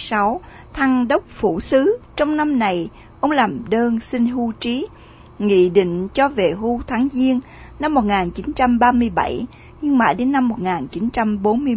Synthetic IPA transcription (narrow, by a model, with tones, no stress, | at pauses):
sa˨˦w | t̪ʰa˧ŋɗə˦˥wk͡p̚fṵ˧˩sɨ˨˦t͡ɕɔ˧wŋ͡mna˧mna˨˩j | ʔə˧wŋ͡mlaː˨˩mɗəː˧nsï˧ŋɦu˧t͡ɕi˨˦ | ŋḭ˧˨ɗḭ˧˨ŋ̟t͡ɕɔ˧ve˨˩ɦu˧t̪ʰaː˨˦ŋzi˧ən | na˧mːo˨˩t̚ŋaː˨˩nt͡ɕi˨˦nt͡ɕa˧mɓaː˧mɨ˧əjɓa̰˧˩j | ɲɨ˧ŋma̰ː˧˩jɗe˨˦nːa˧mːo˨˩t̚ŋaː˨˩nt͡ɕi˨˦nt͡ɕa˧mɓo˨˦nmɨ˧ə